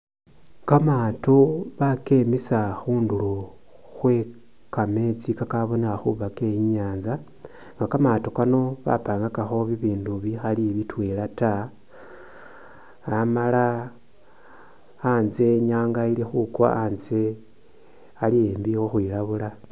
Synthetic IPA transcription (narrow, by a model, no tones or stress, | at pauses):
kamaːtoβake̞misaxuːndulu | xwe̞ | kame̞t͡sikakaβo̞nexaxuβake̞jiɲaːnza | ŋɡakamaːto̞kano̞βa̰paːŋɡakaxo̞βiβiːnduβixaliβitwelata | mala | nze̞ɲaːŋɡaile̞xukwa̰anze̞ | alieːmbixoxwiːlaβula